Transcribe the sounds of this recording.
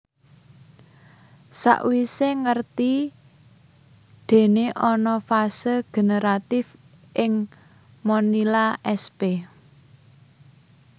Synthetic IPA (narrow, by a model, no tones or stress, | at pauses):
sa̰ʔwiseŋərt̪i | d̪̥e̤neʔɔnɔfasəɡ̥e̤nəɾat̪ɪf | ʔɪŋ | mɔnilaʔɛspe